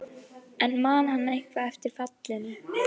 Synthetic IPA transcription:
ʔɛnmaːnhanːaehkvaɛft̪ɪɾ̥fat̪lɪnʏ

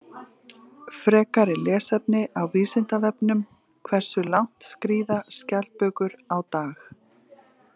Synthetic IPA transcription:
fɾɛːkaɾɪlɛːsɛpnɪʔawviːsɪn̥t̪avɛpnʏm | kʰvɛr̥sʏlawn̥t̪skɾiːðascal̚pœːkʏɾawt̪aːx

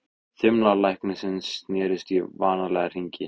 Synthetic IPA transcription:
θʏmlalajhknʏsɪnsːnɛːɾɪst̪ivaːnalɛɣar̥iɲcɪ

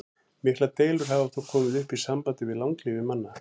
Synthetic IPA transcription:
mɪhklat̪eːjlʏɾ̥ɦavaft̪ʰawkʰɔːmɪðʏhpisampant̪ɪvɪðlawŋkliːvɪmanːa

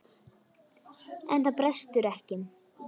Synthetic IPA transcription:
ɛ̰nθapɾɛst̪ʏɾɛhcɪn

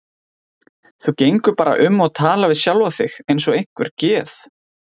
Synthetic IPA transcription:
θucejŋkʏpaːɾa̰ʔʏmːɔɣt̪ʰaːlavɪðsjalvaθɪxejnsɔɣejŋ̥kvʏɾ̥cɛːθ

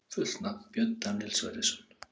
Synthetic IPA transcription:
fʏ̥t̪napjœnt̪anɪlsva̰jɾɪsʏn̥

